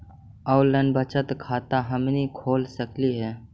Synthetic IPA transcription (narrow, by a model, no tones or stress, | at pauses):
əwləɳɖbət͡ʃət̪kʰaːt̪aɦəmnikʰoːlsəkliɦɛː